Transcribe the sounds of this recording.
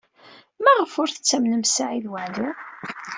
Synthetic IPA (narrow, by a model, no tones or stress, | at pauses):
mæʁəfʊɾθət͡sːæmnəmsaʕiðwəʕlu